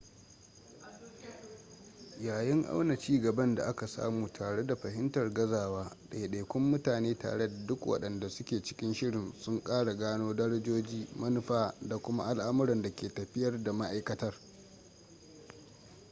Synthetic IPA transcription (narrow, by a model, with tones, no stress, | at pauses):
jaː˨jɪ˦ŋʔa̰˦wna˨t͡ʃiː˦ɡɐ˨bɐ˦nda̰˨ʔa˦ka˨sa̰ː˦muː˨tʰaː˨ɽe˦da˨ɸɐ˨ɦɪ˦ntɐ˨rɡɐ˦zaː˨waː˦ɗa˨jɗeː˨kʷʊ˦mːʊ˦taː˨neː˦ta̰ː˨ɽe˦da˨dʊ˦kwʔɐ̰˦ɗɐ˨nda˨sʊ˦kʲeː˨t͡ʃɪ̥˦kʲɪ˦nʃɪ˦ɽɪ˨nsʊ˦ŋkʼaː˦ɽa˨ɡaː˦noː˦dɐ˦ɽɐ˦d͡ʒoː˦d͡ʒiː˦mɐ˦nʊ˦ɸaː˦da˨kʷʊ˦ma̰˦ʔa˦lʔa˦mʊ˦ɾɐ˨nda˨kʲeː˨tɐ˨ɸɪ˦jɐ˦rda˨ma˦ʔa˦jkɐ˦tɐ˦r